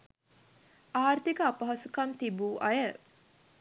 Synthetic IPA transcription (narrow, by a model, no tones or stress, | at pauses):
aːrt̪ikəapɐɦɐsukant̪ibuːʔɐjə